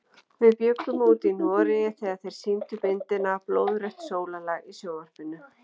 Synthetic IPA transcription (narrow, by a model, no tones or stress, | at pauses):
vɪðpjœkʏmuːt̪invɔːɾɪjɛθɛɣaðθejɾ̥siːmt̪ʏpɪnt̪ɪnaploːwðɾɛht̪soːwlalaɣisjoːwvar̥pɪnʏ